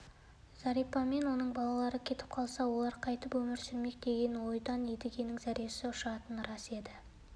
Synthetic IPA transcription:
z̥ɑɾijpɑme̞nwo̞nəɴbɑlˠɑlˠɑɾəkʲʰe̞t̪ɪ̥p̚qʰɑlˠsɑwo̞lˠɑɾqʰɑjt̪əpwɵmɪɾsʏɾme̞k̚d̪e̞ɡʲe̞nwo̞jd̪ɑned̪ɪɡʲe̞nɪŋzæɾijesɪʊʃɑt̪ənɾɑse̞d̪ɪ

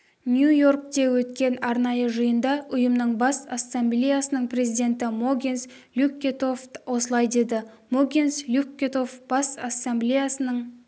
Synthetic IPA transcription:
nʲjujo̞rk̚t̪e̞wɵt̪kʲe̞nɑɾnɑjəʒəjənd̪ɑʊjəmnəɴbɑsasːamblʲejasənəɴpʰre̞zijd̪e̞nt̪ɪmoɡʲins | lʲukʲːet̪ofwo̞səlˠɑjd̪e̞d̪ɪ | moɡʲinslʲukʲːet̪o̞fb̥ɑsasːamblʲejasənəɴ

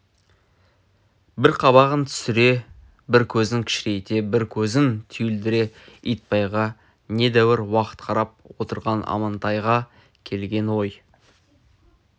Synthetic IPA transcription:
bɪɾqʰɑβɑʁənt̪ʰʏ̥sɪɾe̞ | bɪɾkʲʰɵzɪŋkʲʰɪ̥ʃɪɾe̞t̪e̞bɪɾkʲʰɵzɪnt̪ʰʏjɪld̪ɪɾe̞ijt̪̚pɑjʁɑ | ne̞d̪æwɪɾwɑqə̥t̪qʰɑɾɑp̚wo̞t̪əɾʁɑnɑ̰mɑnt̪ɑjʁɑ | kʲʰe̞lɡʲe̞nwo̞j

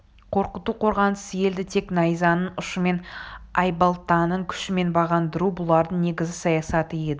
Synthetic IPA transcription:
qʰo̞ɾqət̪uqʰo̞ɾʁɑnəsje̞ld̪ɪt̪ʰe̞knɑjzɑnəɴʊʃəme̞nɑjbɑlˠt̪ɑnəɴkʲʰʏ̥ʃɪme̞nbɑʁɑnd̪əɾubʊlˠɑɾd̪əɴne̞ɡʲɪzɪsɑjɑsɑt̪əje̞d̪ɪ

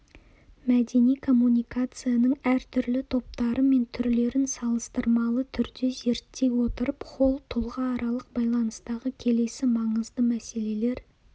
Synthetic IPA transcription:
mæd̪e̞nijkʰo̞mːunijkat̪sɨjanəɴæɾt̪ʰʏɾlɪt̪ʰo̞p̚t̪ɑɾəme̞nt̪ʰʏɾle̞ɾɪnsɑlˠəst̪əɾmɑlˠət̪ʰʏɾd̪e̞ze̞ɾt̪ːe̞jwo̞t̪əɾəpqʰo̞lˠt̪ʰʊlˠʁɑːɾɑlˠəq̚bɑjlˠɑnəst̪ɑʁəkʲʰe̞le̞sɪmɑɴəzd̪əmæse̞le̞le̞ɾ

